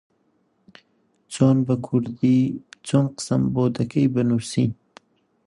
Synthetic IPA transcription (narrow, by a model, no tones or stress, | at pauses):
t͡ʃɑnbakʰuɾd̪it͡ʃonqə̥samboːd̪akəjbanuɾsi